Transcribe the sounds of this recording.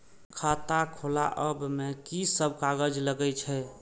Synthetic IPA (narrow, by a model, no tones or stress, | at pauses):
kʰat̪akʰola̰ʔəbmekisəbkaɡəd͡ʒləɡɛt͡ʃʰɛ